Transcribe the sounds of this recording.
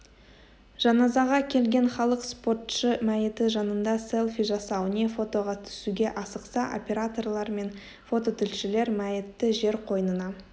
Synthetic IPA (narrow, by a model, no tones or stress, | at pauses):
ʒ̥ɑnɑzɑʁɑkʲʰe̞lɡʲe̞ɴχɑlˠəqspo̞rt̪ʃəmæjɪt̪ɪʒɑnənd̪ɑse̞lˠfiʒɑsɑwnʲefo̞t̪o̞ʁɑt̪ʰʏ̥suɡʲe̞ʔɑsəqsɑʔo̞̰pʲe̞ɾat̪o̞rlˠɑɾme̞n | fo̞t̪o̞t̪ʰʏlʃɪle̞ɾmæjɪt̪ːɪʒe̞ɾqʰo̞jnənɑ